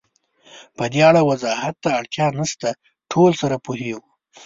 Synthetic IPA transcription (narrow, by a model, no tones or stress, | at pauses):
pəd̪eaɽawazɑhat̪ːaːɽt̪ʰjɑnəst̪a | ʈʰolsaɾapuɦeɡu